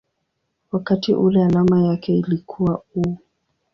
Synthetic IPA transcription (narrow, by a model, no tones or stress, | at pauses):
wakatiʔulɛalamajakɛilikʰuwau